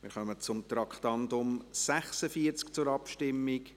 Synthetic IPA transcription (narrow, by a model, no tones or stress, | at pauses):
mɪ̰ːɾχœmət͡sʊmt̪ɾɑkχtɑnd̪ʊmsæχsəfiəɾt͡skt͡sʊɾɑpʃtɪmːik